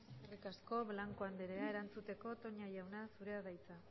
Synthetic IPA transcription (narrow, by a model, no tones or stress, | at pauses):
sarikasko̞βlaŋkoand̪eɾeae̞ɾant͡sut̪e̞ko̞t̪o̞ɲajawnasuɾe̞aðajt͡sa